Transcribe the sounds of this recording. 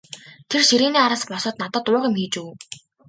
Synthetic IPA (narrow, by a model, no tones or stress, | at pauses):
t̪ʰerʃiɾiːniːaɾə̆ːspɔsə̆t̪̚nat̪ə̆t̪ʊːʁɪ̆mxiːt͡ɕuː